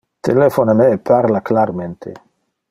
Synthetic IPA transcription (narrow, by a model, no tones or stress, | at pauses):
t̪elefonanepʰaɾlaklaɾment̪ʰḛ